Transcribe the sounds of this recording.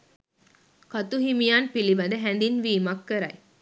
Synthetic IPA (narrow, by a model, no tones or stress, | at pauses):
kat̪uɦimijanpiliʋɐd̪əɦænd̪inʋiːmakːəɾɐj